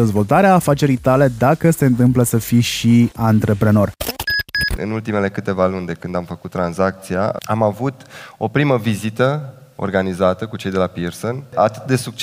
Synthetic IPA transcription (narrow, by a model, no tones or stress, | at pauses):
e̞zvo̞lt̪aɾeaːfat͡ʃe̞ɾijt̪ale̞d̪akəse̞ɨnt̪ɨmpləsəfiʃiant̪ɾe̞pɾe̞no̞r | ɨ̰nult̪ime̞le̞kɨt̪e̞valund̪ekɨnd̪amfəkut̪ːɾanzak̚t̪sia̰amavut̪o̞pɾiməvizit̪əorɡanizat̪əkut͡ʃejd̪elapirsonat̪ɨt̪̚d̪e̞suk̚t͡ʃ